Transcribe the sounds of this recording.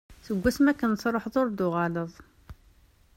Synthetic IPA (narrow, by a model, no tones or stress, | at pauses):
θəɡʷːæsmækænsɾˤoħðˤoɾd̪ʊʁɑləðˤ